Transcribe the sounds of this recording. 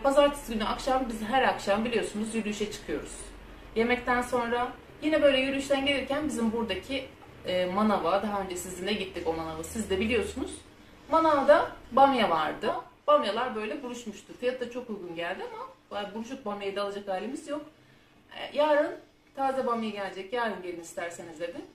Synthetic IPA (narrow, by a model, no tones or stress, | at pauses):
pʰazaɾt̪ʰɯ̥sɡynyʔakʃambizɦæɾakʃambilʲijo̞sunuzjylʲyʃɛt͡ʃʰɯ̥kʰɯjo̞ɾuz̥ | je̞mɛct̪ʰænso̞nɾa | jinɛbø̞jlʲɛjyɾʲlʲyʃt̪ʰænɟelʲeɾcænbizimbuɾd̪acʰi | ɛːmanavad̪aɦaø̞nd͡ʒɛsizind̪ɛɟit̪ʰːiko̞manavasizd̪ɛbilʲijo̞sunuz̥ | manavad̪abamjavaɾd̪ɯ | b̥amjalˠaɾbø̞jlʲɛbuɾuʃmuʃt̪ʰʊfijat̪ʰːat͡ʃʰo̞kujɡunɟælʲd̪iamabuɾuʃ̬uk̚bamjajid̪alˠad͡ʒakhaːlʲemizjo̞k̚ | ɛ̰jaːɾɯn | t̪ʰaːzɛbamjaiɟælʲed͡ʒɛcjaːɾɯnɟe̞lʲinist̪ʰæɾsenizd̪eb̪i